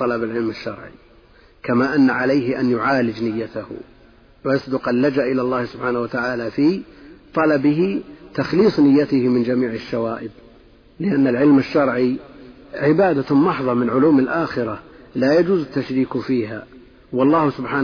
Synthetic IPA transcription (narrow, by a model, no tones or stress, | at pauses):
t̪ˤɑlɑbalʕɪlmaʃːɑɾˤʕḭ | kamaːʔanːaʕalajɦɪʔanjʊʕaːlɪd͡ʒnɪjːat̪ah | wjɑsˤd̪ʊqalːad͡ʒaʔɪlalˤːɑːhsʊbħaːnahwat̪aʕaːlafit̪ˤɑlɑbɪɦɪt̪axliːsˤnɪjːat̪ɪhɪmɪnd͡ʒamiːʕɪʃːawaːʔɪb | lɪʔanːalʕɪlmaʃːɑɾˤʕi | ʕɪbaːd̪amɑħðˤɑmɪnʕʊluːmalʔaːxɪɾalajad͡ʒuːzat̪ːaʃɾiːkfiːɦa̰ | wɑlˤːɑːhsʊbħaː